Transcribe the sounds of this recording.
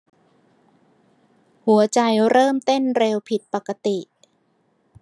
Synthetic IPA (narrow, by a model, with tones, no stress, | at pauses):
hu˩˦ɐt͡ɕa˧jɾɤː˥˩mt̪o˥˩nɾeː˧wpʰi˨˩t̪̚pa˨˩ka˧t̪i˨˩ʔ